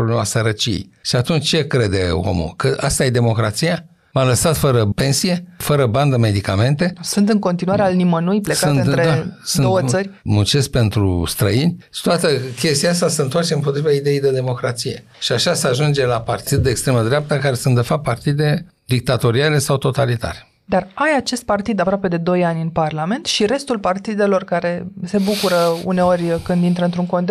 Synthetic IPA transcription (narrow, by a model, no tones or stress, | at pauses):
ɾoblemasəɾət͡ʃijḛjʃiat̪unt͡ʃʲt͡ʃe̞kɾe̞d̪e̞o̰mṵlkəʔast̪aje̞d̪e̞mo̞kɾat̪sija | maləsat̪fəɾəpe̞nsije̞fəɾəband̪əme̞d̪ikame̞nt̪e̞sunt̪ɨŋko̞nt̪inuaɾealnimənujplekauntnɾed̪asdunow̪əsərʲmut͡ʃespe̞nt̪ɾṵst̪ɾəinʲt̪oat̪əkʲe̞st̪ijaast̪asəɨnt̪oart͡ʃeɨmpo̞t̪ɾivaid̪e̞jejd̪e̞d̪e̞mo̞kɾat̪sije̞ | ʃiaʃaseaʒund͡ʒe̞lapart̪id̪̚ːe̞ːkst̪ɾe̞məd̪ɾeap̚t̪əkaɾe̞sunt̪d̪e̞fap̚pːart̪id̪e̞ | d̪ik̚t̪at̪o̞ɾiale̞sawt̪o̞t̪alit̪a̰ɾe̥ | d̪arajat͡ʃe̞st̪̚part̪id̪apɾoape̞d̪e̞d̪o̞janʲɨnparlame̞nt̪ʃiɾe̞st̪ulpart̪id̪e̞lo̞rkaɾe̞se̞bukuɾəṵne̞o̞rʲkɨnd̪int̪ɾəɨnt̪ɾuŋko̞nd̪